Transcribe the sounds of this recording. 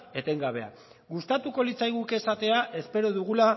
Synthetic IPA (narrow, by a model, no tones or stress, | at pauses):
e̞t̪e̞ŋɡaβ̞e̞a̰ | ɣust̪at̪uko̞lit͡sajɣuke̞sat̪e̞aʔe̞spe̞ɾo̞ðuɣ̞ula